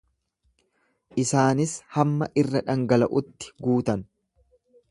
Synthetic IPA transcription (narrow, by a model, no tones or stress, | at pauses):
ʔɪsaːnɪshɐmːɐʔɪrːɐᶑɐŋɡɐlɐʔʊt̪ːɪ̥ɡuːt̪ɐn